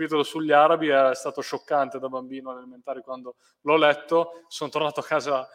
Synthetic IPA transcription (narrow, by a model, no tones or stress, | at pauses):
piːt̪olosuʎːaɾabiɛst̪aːt̪oʃokːant̪ed̪abambiːnoalaliment̪aːɾikwand̪o | lɔlɛt̪ːosont̪ornaːt̪oakːaːza